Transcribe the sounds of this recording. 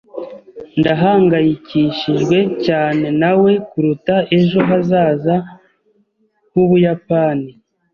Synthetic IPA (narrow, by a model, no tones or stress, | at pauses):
ndaɦaːŋɡajiciʃiʒɡwe̞caːne̞nawe̞kuɾutae̞ʒo̞ɦazaːza | huβujapani